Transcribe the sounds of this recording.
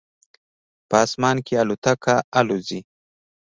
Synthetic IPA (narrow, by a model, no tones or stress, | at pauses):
pəɑsmɑnkealut̪akʰaalozi